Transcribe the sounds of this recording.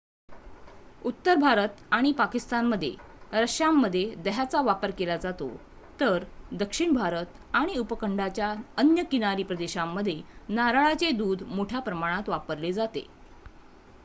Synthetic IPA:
ut̪ːəɾbʱaɾət̪aɽ̃ipakist̪anməd̪ʱːjḛ | ɾəʂjamːəd̪ʱːjed̪əɦat͡saʋapəɾkelad͡zat̪o̰ | t̪əɾd̪əkʂiɳbʱaɾət̪ | aɽ̃iupəkəɳɖat͡ɕjaənjəkinaɾiːpɾəd̪eɕamːəd̪ʱːjenaɾaɭat͡sed̪uːd̪moʈʰjapɾəmaɽ̃at̪ʋapəɾled͡zat̪ḛ

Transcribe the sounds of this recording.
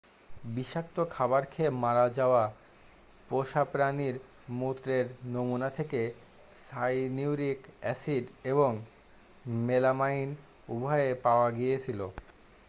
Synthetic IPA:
biʃak̚t̪okʰabaɾkʰemaɾad͡ʑaoa | poʃapɾaniɾ | mut̪ɾeɾnomunat̪ʰeke | sajniwɾikɛsiɖeboŋ | melamain | ubʱaepaoaɡijet͡ɕʰilo

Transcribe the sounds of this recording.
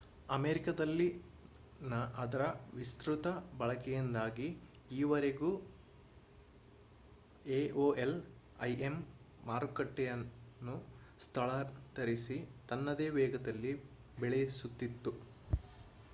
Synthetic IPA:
ɐmeːɾikɐd̪ɐlːi | nɐʔɐd̪ɐɾɐʋist̪ɾut̪ɐbɐɭɐkɛjind̪aːɡiː | ʋɐɾeɡuː | eːʔoːʔel | ɐ̰jʔemː | aːɾukɐʈːɛjɐnːust̪ʰɐɭɐt̪ɐɾisit̪ɐnːɐd̪eːʋɛːɡɐd̪ɐlːi | beɭesut̪ːit̪ːu

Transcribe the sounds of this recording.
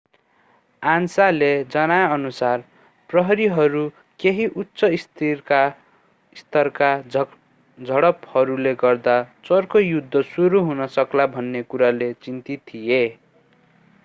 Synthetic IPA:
ansaled͡zʌnajʌnusar | prʌɦʌɾiɦʌɾu | keɦiʔutːsʌist̪ʰirka | ist̪ʌrka | d͡zʱʌɽʌphʌɾuleɡʌrd̪at͡sʌrkojud̪ʱːʌsuɾuɦunʌsʌklabʱʌnːekuɾalet͡sint̪it̪ʰːije

